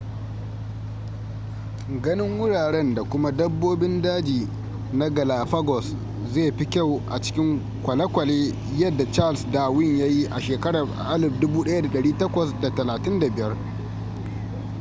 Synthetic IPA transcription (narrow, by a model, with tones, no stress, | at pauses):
ɡɐ˦nɪ˦ŋwʊ˦ɽaː˨ɽɛ˦nda˨kʷʊ˦ma˦dɐ˦bːoː˦bɪ˦ndaː˦d͡ʒiː˨ | na˦ɡɐ˨laː˨ɸɐ˦ɡɔ˨s | zeː˦˨ɸi˦kʲa˦˨wʔa̰˨t͡ʃɪ̥˦kʲɪ˦ŋ | kʷɐ˨lɐ˦kʷɐ˨leː˦ | jɐ˦dːa˨t͡ʃa˦˨lsdaː˨wɪ˦ɲja˦ji˦ʔa˨ʃeː˨kɐ˦ɽa˨ | ʔa˦lɪ˨ɸdʊ˦buː˦ɗɐ˦ja˦da˨ɗɐ˨ɽiː˦tɐ˦kʷɐ˨sda˨tɐ˨laː˨tɪ˦nda˨bɪ˨jɐ˦r